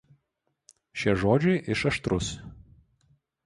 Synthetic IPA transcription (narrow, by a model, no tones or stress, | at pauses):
ʃʲiɛʒoːd͡ʒʲɛɪʔɪʃɐʃt̪ɾʊs